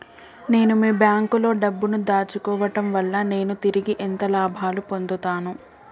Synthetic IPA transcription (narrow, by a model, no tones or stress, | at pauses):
ne̞ːnumiːbjaːŋkulo̞ːɖɐbːunud̪aːt͡ʃukɔːʋɐʈɐmʋɐlːɐne̞ːnut̪iɾiɡiʔent̪ɐlaːbʱaːlupo̞nd̪ut̪aːnu